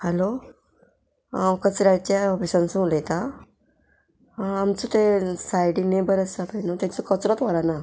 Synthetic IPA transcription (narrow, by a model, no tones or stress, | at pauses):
hɛlo | kət͡sɾat͡ɕaɔfisãnsũlet̪a | amt͡sut̪esajɽinebəɾəsapənot̪ãt͡sɔkət͡sɾɔt̪ʋaɾana